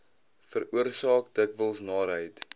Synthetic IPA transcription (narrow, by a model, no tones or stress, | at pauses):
fəɾuərsɑːkdəkvəlˠsnɑːɾɦəjt